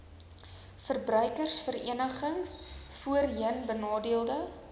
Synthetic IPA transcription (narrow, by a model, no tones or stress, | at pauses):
fərbrœɥkərsfərḭənəχəŋsfuərɦiənbənɑːdiəlˠdə